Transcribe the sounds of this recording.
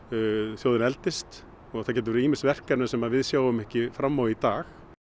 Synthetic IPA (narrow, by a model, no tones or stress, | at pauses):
θjowðɪnɛlt̪ɪst̪ | ɔɣθawcɛːt̪ʏvɛɾɪiːmɪlsvɛr̥kɛnʏsɛmaðvɪðsjaːwʏmɛhcɪfɾamːawit̪aːx